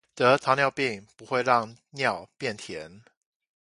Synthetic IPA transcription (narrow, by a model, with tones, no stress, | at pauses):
t̪ɤ˨˧˦t͡s̪ʰa˧˦njɑ˥˧ʊpi˥˨˩ŋpu˧˦xwe˥˧ɪɻɑ˥˨ŋ | njɑ˥˨ʊpjɛ˥˨nt̪ʰjɛ˨˧˦n